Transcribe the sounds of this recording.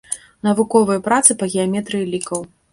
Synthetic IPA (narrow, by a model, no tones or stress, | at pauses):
nɐvukɔvɨjɐpɾat̪sɨpɐɣʲijamʲɛt̪ɾɨjilʲikɐw